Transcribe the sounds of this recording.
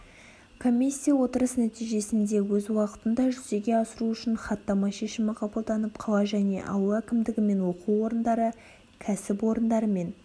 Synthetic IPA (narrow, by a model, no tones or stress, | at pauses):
kʰo̞mʲisʲːijɑwo̞t̪əɾəsnæt̪ijʒe̞sɪnd̪e̞wɵzwɑqə̥t̪ənd̪ɑʒʏze̞ɡʲe̞ɑsəɾuʏʃɪnχɑt̪ːɑmɑʃe̞ʃɪmɪqʰɑbəlˠd̪ɑnəp̚qʰɑlˠɑʒæne̞̰ʔɑ̰wəækʲɪmd̪ɪɡʲɪme̞nwo̞quwo̞ɾənd̪ɑɾə | kʲʰæsɪpwo̞ɾənd̪ɑɾəme̞n